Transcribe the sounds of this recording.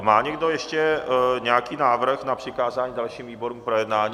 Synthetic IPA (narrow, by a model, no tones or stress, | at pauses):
maːɲɛɡdo̞jɛʃcɛɲɛjakiːnaːvr̩xnapr̥ɪkaːzaːɲiːdalʃiːmviːbo̞ɾuːmpɾojɛdnaːɲiː